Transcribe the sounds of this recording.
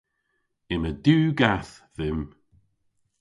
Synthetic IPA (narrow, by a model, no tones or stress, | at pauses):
ɪməduːɡaθðɪm